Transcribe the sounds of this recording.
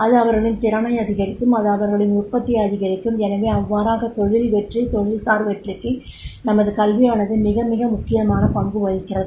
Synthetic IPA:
ɐðɯɐʋɐɾɣɐɭɪnt̪ɪɾɐɳɐɪɐðɪɣɐɾɪkːɯmɐðɯɐʋɐɾɣɐɭɪnʊʈ̚pɐt̪ːɪjɐðɪɣɐɾɪkːɯmɛnɐʋeːɐʋːaːɾaːɣɐt̪ɔɻɪliʋɛʈrit̪ɔɻɪlsaːɾʋɛʈrɯkːɯnɐmɐðɯkɐlʋɪjaːnɐðɯmɪɣɐmɪɣɐmʊkːɪjɐmaːnɐpɐŋɡɯʋɐɻɪkːɪrɐðɯ

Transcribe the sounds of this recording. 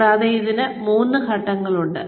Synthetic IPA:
aːðɐjiðinɨmuːnːɨkɐʈːɐŋːɐɭuɳɖɨ̰

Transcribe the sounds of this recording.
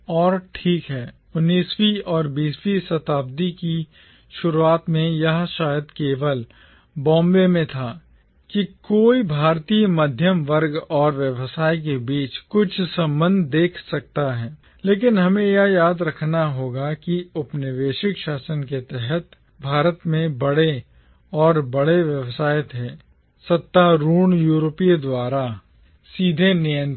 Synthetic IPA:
ɔːɾʈʰiːkɦɛː | ʊnːiːswiɔːɾbiːswisɐt̪aːb̚d̪iki | ʃʊɾuaːt̪mẽjɐɦʃaːjəd̪keːʋəl | bɔ̃ːmbemẽt̪ʰa | kikoːibʱaːɾt̪ijemɐd̪ʱjəmʋəɾɡɔːɾʋjəʋsaːik̬ebiːt͡ʃkʊt͡ʃʰsɐ̃mbə̃nd̪ʱd̪eːkʰsɐk̚t̪aɦɛː | leːk̬ɪnɦɐmẽjajaːd̪ɾɐkʰnaɦoːɡakiʊpnɪʋeːʃɪkʃaːsənket̪ɛɦɛt̪ | bʱaːɾət̪mẽbɐɽe | ɔːɾbɐɽeʋjəʋsaːjət̪ɦɛː | sɐt̪ːaɾuːɳ̃juːɾopid̪waːɾa | siːd̪ʱenɪjə̃n

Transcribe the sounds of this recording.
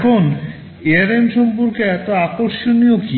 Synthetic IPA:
kʰon | eaɾemʃompoɾkeɛt̪oakoɾʃonioki

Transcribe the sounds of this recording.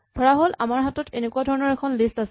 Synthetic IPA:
d̥ʱɔɹaɦolʔa̰maɹɦatɔtenekuadʱɔɹɔnɔɹɛkʰɔnlistasɛ

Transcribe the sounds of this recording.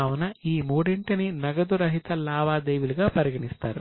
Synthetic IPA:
aːwunɐiːmuːɽeɳʈɐninɐɡɐd̪uɾɐɦit̪ɐlaːʋaːd̪eːʋuluɡaːpɐɾiɡɐɳist̪aːɾu

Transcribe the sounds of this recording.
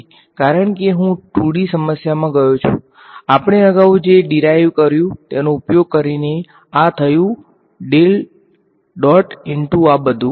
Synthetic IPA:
kaɾəɳkeɦũʈʰuɽisəməsjamãɡəjõt͡ʃʰṵ̃ | apɳ̃eəɡaud͡ʒeɖiɾajʋkəɾjũt̪enõupjoɡ̚kəɾine | at̪ʰəjũ | ɖel | ɖɔʈɪɳʈuabəd̪ʱũ

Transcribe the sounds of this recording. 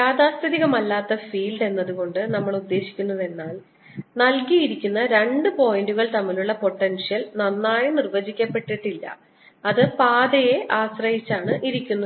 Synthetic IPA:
jaːd̪aːst̪ɐðiɣɐmɐlːaːt̪ːɐfiːlɖe̞nːɐðuɣo̞ɳɖɨnɐmːɐɭud̪ːe̞ːɕi̥kʲːunːɐðe̞nːaːl | nɐlkijiɾikʲːunːɐɾe̞ɳɖɨpo̞ːjinɖuɣɐɭt̪ɐmːiluɭːɐpo̞ʈːɐnʂijɐlnɐnːaːjinirʋɐd͡ʑikʲːɐpːe̞ʈːiʈːilːɐ̰ | ɐðɨpaːd̪ɐje̞ʔaːɕrɐɦit͡ɕːaːɳɨʔiɾikʲːunːu

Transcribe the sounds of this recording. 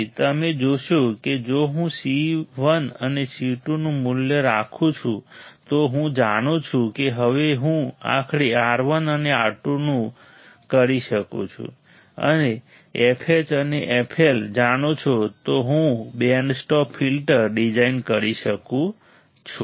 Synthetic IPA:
t̪əmed͡ʒoʃũked͡ʒoɦũsiʋənənesiʈunũmuljəɾakʰũt͡ʃʰũt̪oɦũd͡ʒaɽ̃ũt͡ʃʰũkeɦəʋeɦũa̰kʰɽiaɾʋənəneaɾʈunũ | kəɾiʃəkṵ̃t͡ʃʰṵ̃ | ə̰ne | epʰet͡ʃəneʔepʰeld͡ʒañot͡ʃʰot̪oɦũbensʈɔpʰfilʈəɾɖid͡ʒainkəɾiʃəkũ | t͡ʃʰu

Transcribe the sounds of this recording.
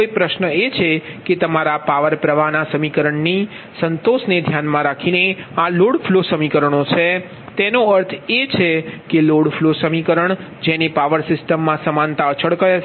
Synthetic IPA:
koipɾəʃnəet͡ʃʰeket̪əmaɾapaʋəɾpɾəʋanasəmikəɾəɳni | sənt̪oʃned̪ʱjanmãɾakʰinealoɽflosəmikəɾəɳ̃ot͡ʃʰe | t̪enoəɾt̪ʰet͡ʃʰekeloɽfʰlosəmikəɾəɳ | d͡ʒenepaʋəɾsɪsʈəmːãsəmãnt̪aət͡ʃʰəɭkəja

